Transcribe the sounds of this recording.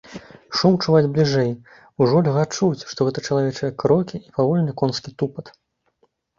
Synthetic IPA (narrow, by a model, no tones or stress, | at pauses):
ʂumt͡ʂuvad͡zʲblʲiʐɛj | uʐɔlʲɣat͡ʂut͡sʲʂt̪ɔɣɛt̪ɐt͡ʂɐlˠavʲɛt͡ʂɐjɐkɾɔkʲiipavɔlʲnʲɐkɔnskʲit̪upɐt̪